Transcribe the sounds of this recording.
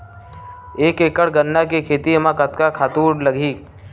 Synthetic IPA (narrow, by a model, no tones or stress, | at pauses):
eːkeːkəɽɡənːakekʰeːt̪imãkət̪kakʰaːt̪uːɽlɐɡʱiː